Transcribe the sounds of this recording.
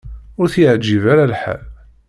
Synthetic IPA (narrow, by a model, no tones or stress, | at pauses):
ʊɾθəʕd͡ʒːivaɾalħa̰l